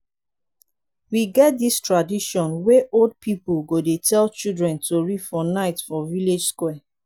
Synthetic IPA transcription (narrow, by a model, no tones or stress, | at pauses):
wiɡɛt̚distɹadiʃɔ̃nweʔold̚pipulɡodetʰɛlt͡ʃildɹɛ̃ntʰoɹidfɔnaɪtfɔviled͡ʒskwɛ